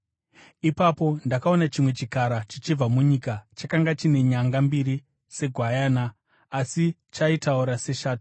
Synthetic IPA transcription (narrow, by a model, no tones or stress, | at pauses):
ipapo̞ndakao̞nat͡ʃimwe̞t͡ʃikaɾat͡ʃit͡ʃib͡vamuɲikat͡ʃakaŋɡat͡ʃine̞ɲaŋɡambiɾi | se̞ɡʱwajaːnaː | si | t͡ʃaitauɾase̞ʃaːtu̥